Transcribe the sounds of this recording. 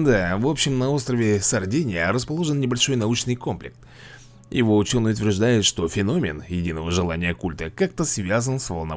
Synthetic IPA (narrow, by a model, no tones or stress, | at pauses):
d̪avo̞pɕːɪmnɐo̞st̪ɾəvʲɪsɐrdʲenʲɪjəɾəspɐlˠo̞ʐɨnnʲɪbɐlʲʂo̞jnɐut͡ɕnɨjko̞mplʲɪ̰k̚t̪ | jɪ̰vo̞ʊt͡ɕo̞nɨjʊt̪ʲvʲɪrʐd̪ajɪt̪ʂt̪o̞fʲɪno̞mʲɪ̰njɪdʲinəvəʐɨlˠa̰nʲɪjəkulʲt̪əkak̚t̪əsvʲazənsvəlˠnɐ̰